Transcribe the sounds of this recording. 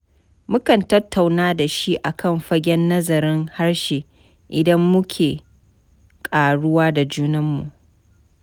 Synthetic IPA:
mʊ˦kɐ˨ntɐ˦tːa˨wnaː˦da˨ʃi˦ʔa˨kʰɐ˦˨mɸɐ˦ɡʲɛ˦nːɐ˦zɐ˨ɾɪ˦ŋha˦rʃeː˨ | ʔɪ˨dɐ˦mːʊ˦kʲʰeː˨ | kʼaː˨ɽʊ˦waː˦da˨d͡ʒuː˦nɐ˦mːṵ˨ʔ

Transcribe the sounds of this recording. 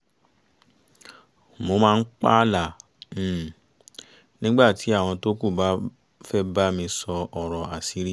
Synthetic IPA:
mo˧mãː˧n̩˦k͡pa̰˦lã˦˨ | nĩ˦ɡ͡ba˦˨ti˨˦a˦˨w̃ɔ̃˧to˦ku˦˨ba˦ | fɛ˦ba˦mĩ˧sɔ˧ʔɔ˨ɾɔ˨a˨si˨˦ɾi˦˨

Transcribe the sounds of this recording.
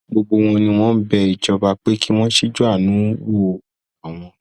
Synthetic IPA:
ɡ͡bo˧ɡ͡bo˧w̃ɔ̃˧nĩ˧w̃ɔ̃˦bɛ˧i˨d͡ʒɔ˧ba˧k͡pe˦ki˦w̃ɔ̃˦ʃi˦d͡ʒu˦a˦˨nũ˨˦wo˦˨ | ɔ˨w̃ɔ̃˧

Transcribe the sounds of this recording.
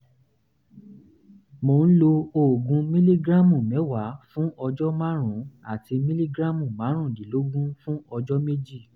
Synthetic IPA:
mo˨n̩˦lo˧o˨ɡũ˧mĩ˦li˦ɡɾa˦mũ˨mɛ̃˨˦wa˨˦fũ˦ɔ˧d͡ʒɔ˦mã˦ɾ̃ũ˨˦a˦˨ti˧mĩ˦li˦ɡɾã˦mũ˦˨mã˨˦ɾ̃ũ˦˨di˨lo˨˦ɡũ˦fũ˦ɔ˧d͡ʒɔ˦me˦d͡ʒi˦˨

